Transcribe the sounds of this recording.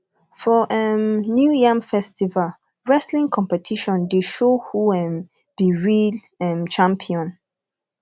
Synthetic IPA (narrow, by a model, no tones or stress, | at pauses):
fɔʔɛnjujãmfɛstival | ɹɛslĩŋkʰɔ̃mpɛtʰiʃɔ̃ndeʃohuɛ̃m | b̥iɹil | ɛ̃mt͡ʃãmpʰiɔ̃n